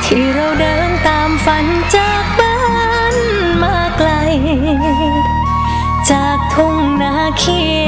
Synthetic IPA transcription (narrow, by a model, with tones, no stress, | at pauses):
t̪ʰiː˧˩ɾa˧˩wdɤː˧˦nt̪aː˨˧mfa˨˧˦n | t͡ɕaː˨˧k̚baː˧˥ | n | maː˧˩k̚la˧j | t͡ɕaː˨˩k̚t̪ʰo˧˩ŋnaː˧˥kʰi˧˩